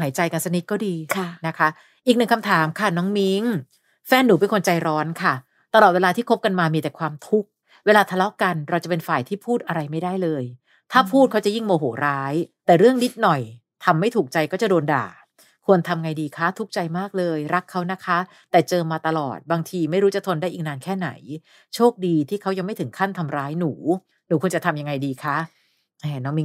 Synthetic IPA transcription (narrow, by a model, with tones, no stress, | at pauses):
ɦaː˩˦jt͡ɕa˧jka˧nsa˧ni˦t̪̚kɔː˥˩diː˧kʰna˦˥kʰa˦˥ | ʔiː˨˩k̚nɯ˨˩ŋkʰa˧mt̪ʰaː˨˩˦mkʰa˥˩nɔː˦˥ŋmi˦˥ŋ | fɛː˥˩nːuː˩˦pe˧nkʰo˧nt͡ɕa˧jɾɔː˦˥nkʰa˥˩ | t̪a˧lɔː˨˩t̪̚weː˧aː˧t̪ʰiː˥˩kʰo˦˥p̚ka˧nmaː˧miː˧t̪ɛː˨˩kʰwaː˧mt̪ʰu˦˥k̚ | weː˧laː˧t̪ʰa˧lɔ˦˥ka˧nɾa˧wt͡ɕa˨˩pe˧nfaː˨˩jt̪ʰiː˥˩pʰuː˥˩t̪̚ʔa˧ɾa˧jma˥˩jda˥˩jlɤː˧j | t̪ʰaː˥˩pʰuː˥˩˦t͡ɕa˨˩ji˥˩ŋmoː˧ɦoː˩˦ɾaː˦˥jt̪ɛː˨˩ɾɯ˥˩əŋni˦˥t̪̚nɔ˨˩j | t̪ʰa˧mːa˥˩jt̪ʰuː˨˩k̚t͡ɕa˧jkɔː˥˩t͡ɕa˨˩doː˧nda̰ː˨˩ | kʰu˧ənt̪ʰa˧mŋa˧jdiː˧kʰa˦˥t̪ʰu˦˥k̚t͡ɕa˧jmaː˥˩k̚lɤː˧jɾa˦˥kʰːa˦˥wna˦˥kʰa˦˥ | t̪ɛː˨˩t͡ɕɤː˧maː˧t̪a˧lɔ̰ː˨˩t̪̚baː˧ŋt̪ʰiː˧ma˥˩jɾuː˦˥t͡ɕa˨˩t̪ʰo˧ndaː˥˩ʔiː˨˩k̚naː˧nkʰɛː˥˩na̰˩˦j | t͡ɕʰoː˥˩k̚diː˧t̪ʰiː˥˩kʰa˦˥wja˧ŋma˥˩t̪ʰɯ˩˦ŋkʰa˥˩nt̪ʰa˧mɾaː˦˥jnuː˩˦ | nuː˩˦ku˧ənt͡ɕa˨˩t̪ʰa˧mja˧ŋːa˧jdiː˧kʰa˦˥ | ʔɛː˨˩nɔː˦˥ŋmiː˧